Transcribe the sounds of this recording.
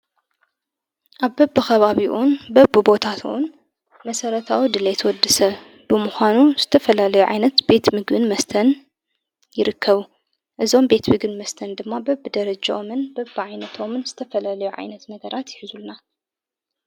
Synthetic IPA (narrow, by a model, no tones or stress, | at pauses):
ʔaβbɐbːɨxɐβaβiʔunbɐbɨbo̞t̪ʰat̪ʰun | mɐsɐɾɐt̪ʰawid̪ɨlet̪ʰɐwɔd̪ːɨsɐ | b̥ɨmuxʷanuz̥ɨt̪ʰɐfɐlalɐjuʕa̰jnɐt̪b̥e̞t̪mɨɡbɨnmɐst̪ʰɐn | jɪɾɨkːɐβu | ʔɨzo̞mbe̞t̪mɨɡɨnmɐst̪ʰɐnd̪ɨmːabɐbɨd̪ɐɾɐd͡ʒaʔomɨnbɐbːɨʕajnɐt̪ʰo̞mɨnzɨt̪ʰɐfɐlalɐjuʕa̰jnɐt̪nɐɡɐɾʔat̪jɪħɨzulna